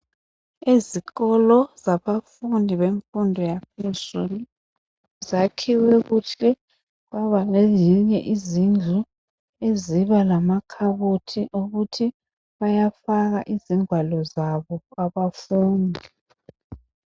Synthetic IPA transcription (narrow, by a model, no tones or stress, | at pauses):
eziɣɔlɔz̥aβafundʱiβeɱfundʱɔjap̚ʰez̥uli | zakʰiwɛɣuɬɛ | βaβalɛjiɲɛ̰ʔizind͡ɮʱu | eziβalamakʰaβotʰiʔuɣutʰi | βajafaɣaʔiziŋʱwalɔzaβɔaβafuːndʱi